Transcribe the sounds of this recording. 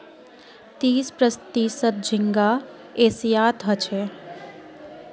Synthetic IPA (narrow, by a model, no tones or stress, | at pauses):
t̪iːspɾəst̪iːsət̪̚d͡ʒʱiŋɡa | eːsijaːt̪ɦət͡ʃʰe